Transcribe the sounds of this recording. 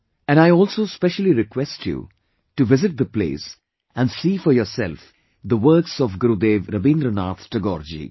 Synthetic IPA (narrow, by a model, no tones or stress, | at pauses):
æ̃naɪɔːlsoːspɛʃəliɾɪkwɛsʈʰjṵ | ʈuʋɪzɪʈ̚d̪əplḛːs | æ̃nɖsiːfɔɾjɔːsɛ̰lf | d̪əʋəɾksɔfɡɾud̪eːʋɾəbĩːnd̪ɾənaːt̪ʈəɡɔːɾd͡ʒḭ